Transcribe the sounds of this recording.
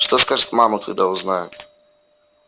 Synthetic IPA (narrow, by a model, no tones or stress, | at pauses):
ʐ̥t̪ɔskaʐd̪mamɔkt̪ṵd̪auznajɛ